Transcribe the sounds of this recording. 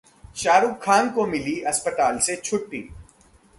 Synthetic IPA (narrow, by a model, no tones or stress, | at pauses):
ʃaːɾukʰːaːnkomɪliɐspət̪aːlset͡ʃʰʊʈːḭː